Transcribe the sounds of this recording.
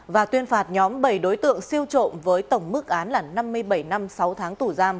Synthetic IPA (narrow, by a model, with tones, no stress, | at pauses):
vaː˨˩t̪wi˧ənfaː˧˩t̚ɲɔ˨˦mɓə˧˩jɗo˨˦jt̪ɨ̰˧˨əŋsi˧əwt͡ɕo̰˧˨nvəː˨˦jt̪ə˧˩wŋ͡mmɨ˦˥k̚ʔaː˨˦nlaː˨˩na˧mːɨ˧əjɓə˧˩jna˧msa˨˦wt̪ʰaː˨˦ŋt̪u˧˩zaː˧m